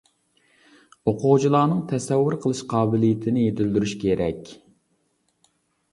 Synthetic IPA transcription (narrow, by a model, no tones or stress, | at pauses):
oqʰʊʁt͡ʃʰilˠɑːnɨŋt̪ʰɛsɛwːʊɾqʰəlˠɨʃqʰɑːbɪlijɪt̪ʰɪnɪet̪yld̪yɾyʃkʲʰeɾɛ̰kʲ